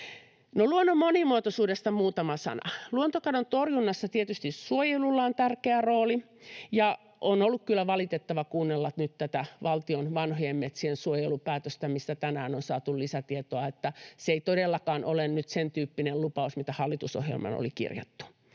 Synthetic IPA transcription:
noluonːommonimuot̪osuːdest̪ɑmuːt̪ɑmɑsɑ̰nɑ̰luont̪okɑdont̪orjunːɑsːɑt̪iet̪yst̪issuojelulːɑːont̪ærkeæroːli | jɑ | ʔonolːukkylːæʋɑlit̪et̪ːɑʋɑkuːnːelːɑt̪nyt̪t̪æt̪æʋɑlt̪ionʋɑnhojemmet̪siensuojelupæːt̪øst̪æmist̪æt̪ænæːnonsɑːt̪ullisæt̪iet̪oɑet̪ːæseeit̪odelːɑkɑːnʔolennyt̪sent̪yːpːinellupɑusmit̪æhɑlːit̪uso̰hjḛlmɑ̰no̰likḭrjɑ̰t̪ːu̥

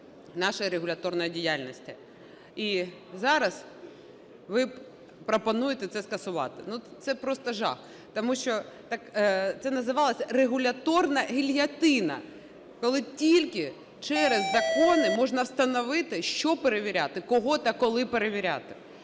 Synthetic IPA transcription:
nɑʃɐɾeɦʊlʲɐt̪ɔrnɔjɛdʲijalʲnʲɔsʲtʲɪ | izɑɾɐs | ʋɪ | pɾɔpɐnujet̪ɛt̪sɛskɐsʊʋɑ̰t̪ɪnut̪sɛpɾɔst̪ɐʒɑ̰x | t̪ɔmuʃt͡ʃɔt̪ɑkt̪sɛnɐzɪʋɑlˠɐsʲɐreɦʊlʲɐt̪ɔrnɐɦʲilʲɦʲɐt̪ɪnɐ̰ | kɔlˠɪtʲilʲkɪ | t͡ʃɛɾezːɐkɔnɪmɔʒnɐwst̪ɐnɔʋɪt̪ɪʃt͡ʃɔpeɾeʋʲiɾʲat̪ɪkɔɦɔt̪ɑkɔlˠɪpeɾeʋʲiɾʲa̰t̪ɪ

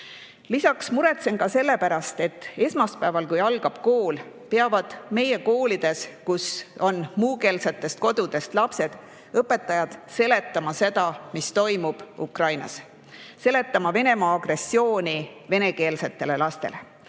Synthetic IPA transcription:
lisɑksmuɾe̞t̪se̞nkɑse̞lːe̞pæɾɑst̪e̞t̪ːˑe̞smɑspæevɑlkujɑlɡ̥ɑb̥ko̞ːl | peɑvɑd̪̥me̞je̞ko̞ːlid̪̥e̞skuso̞nmuːke̞ːlset̪ːe̞st̪̚ko̞d̪̥ud̪̥e̞st̪lɑpse̞d̪̥ | ɤpːˑe̞t̪ːˑɑjɑd̪̥se̞le̞t̪ːˑɑmɑse̞d̪̥ɑmist̪o̞jmub̥ukrɑjnɑ̰s | se̞le̞t̪ːˑɑmɑve̞ne̞mɑːɡ̥re̞sːio̞ːnive̞ne̞ke̞ːlset̪ːe̞le̞lɑst̪e̞̰le

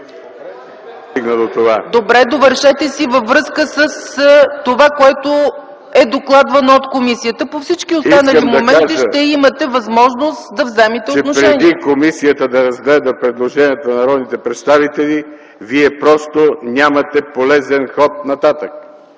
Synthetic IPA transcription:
st̪iɡnəd̪ot̪ovad̪obɾɛd̪ovəɾʃɛt̪ɛsivəvɾɤskəsəst̪ovakoɛt̪o | ɛd̪oklˠad̪vɐnoot̪komisijət̪əpofsit͡ʃkiosianəlimd̪ɐomɛaʒiəʃt̪ɛimɐt̪ɛvɐzmɔʒnost̪d̪ɐvzɛmɛt̪ɛoɛnoʃpɾɛɛnʲd̪ikomisijət̪əd̪ɐɾɐzɡlɛd̪əpɾɛd̪lˠoʒɛniət̪onɐɾɔd̪nit̪ɛpɾɛt̪st̪avit̪ɛli | viɛpɾɔst̪onʲamɐt̪ɛpolɛzɛnxɔt̪̚nɐt̪at̪ək̚

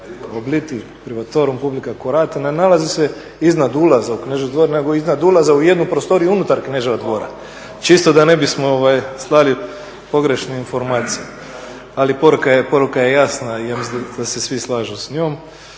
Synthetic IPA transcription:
oblit̪i | pɾiʋat̪oɾumpublikakoɾat̪ennalˠazise | iznad̪ulˠazaukneʒed̪ʋo̞ɾneɡoiznad̪ulˠazauje̞d̪nupɾost̪o̞ɾijuunut̪aɾkneʒeʋad̪ʋo̞ːɾa̰ | t͡ʃist̪od̪ane̞bismooʋajslˠali | po̞ɡɾe̞ʃneinfo̞ɾmaːt̪sije | alipo̞ɾukajepo̞ɾukaje̞jasnaijamisd̪d̪ase̞sʋislˠaːʒusɲoːm

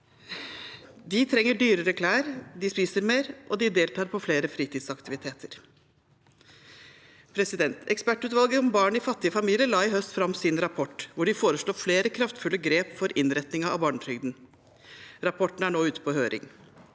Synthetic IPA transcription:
d̪ɪt̪ʰɾɛŋːəɖyːɾəɾəkʰlæːɾd̪ɪspiːsəɾmeːɾʔɔd̪ɪd̪eːlt̪ʰɑːɾpʰɔfleːɾəfɾiːt̪iːd̪sɑkt̪ɪʋɪt̪ʰeːt̪ʰəɾ | pʰɾɛsɪd̪ɛnt̪ʰɛkspæʈːʉːt̪ʋɑlˠɡəɔmbɑːɳɪfɑt̪ːɪəfɑmiːlɪəlɑːɪɦœst̪fɾɑmːsɪnɾɑpʰɔʈːʋʊɖɪfoːɾəʂɭoːfleːɾəkʰɾɑft̪fʉlːəɡɾeːpfɔɾʔɪnɾɛt̪nɪŋɑɑ̰bɑːɳəʈɾʏɡd̪n | ɾɑpʰɔʈn̩æɳoːʉːt̪ə̥pʰɔhøːɾʔɪ̰ŋ

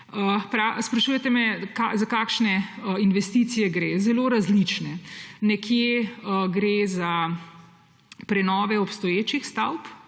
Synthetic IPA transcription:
əpɾaspɾɐʃuːjɛt̪ɛmɛkazakaːkʃnɛinʋɛst̪iːt̪sijɛɡɾeːzɛloːɾazlit͡ʃnɛnɛkjeəɡɾeːza | pɾɛnɔːʋɛɔpst̪ɔjeːt͡ʃixst̪awp

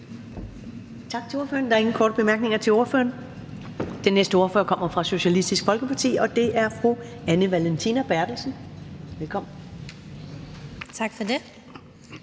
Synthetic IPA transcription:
t͡sʰɑ̈ɡ̥t͡sʰe̝o̝ɐfø̰ːɐnd̥ɑ̈ɐe̝ŋn̩kʰɒ̰ːdəb̥e̝mæɐɡ̥̚ne̝ŋɐt͡sʰe̝lo̝ɐfø̰ːɐn | d̥enːesd̥əo̝ɐfø̰ɐkʰɒ̽m̰ɐfʁɑ̈so̝ɕælisd̥isɡ̥fɒ̽lɡ̥əpʰɑ̈t͡sʰḭːɒ̽d̥e̝ʔæɐfʁuænəʋælent͡sʰinæb̥æɐd̥l̩sn̩ʋelkʰɒ̽m̰n̩ | t͡sʰɑ̈ɡ̥fɒde

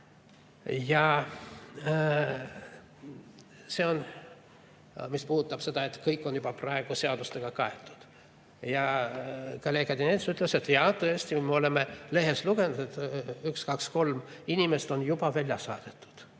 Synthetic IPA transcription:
jɑ | se̞o̞n | mispuhut̪ːˑɑb̥se̞d̪ɑe̞t̪kɤjkːˑo̞njub̥ɑprɑe̞ɡ̥useɑd̪ust̪e̞ɡ̥ɑkɑet̪ːˑu̥d̪̥ | jɑ | kɑlekɑd̪inet̪syt̪ːˑle̞se̞t̪ːˑjɑt̪ɤesʲt̪imeo̞le̞mele̞ɦe̞sluɡ̥e̞nut̪et̪ykskɑksko̞lminime̞st̪o̞njub̥ɑvælʲjɑsɑ̰ːd̪̥et̪ːˑu̥d̪̥

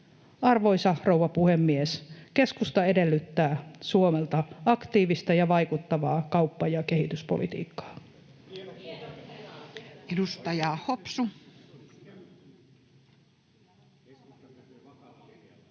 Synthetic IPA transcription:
ɑrʋoisɑhrowʋɑpuhemːieske̞skust̪ɑe̞de̞lːyt̪ːæːsuomelt̪ɑɑkt̪iːʋist̪ɑjɑʋɑikut̪ːɑʋɑːkɑupːɑjɑke̞hit̪yspo̰lʔḭt̪ḭːkːɑ̥ː | edust̪ɑjɑːhopsu

